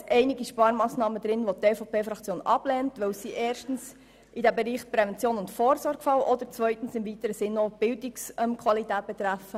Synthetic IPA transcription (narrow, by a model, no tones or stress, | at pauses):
ʔɛɪnɪɡiʃpɑːɾmɑːsnɑːməd̥̪ɾɪnʋotːeːfopʰeːfɾɑkt͡sjoːnʔɑ̰b̥lɛːntʋɛwsiʔeːrʃtən̩s | ʔidæbeɾiːχpɾɛvɛnt͡sjoːnʊntfoːɾsɔɾɡfɑwʔɔd̪əɾt͡svœʏtn̩sɪmvitəɾəsɪnːob̥ɪldɪksɛmkʰvɑlitæːt̚b̥ɛt̪ɾæfə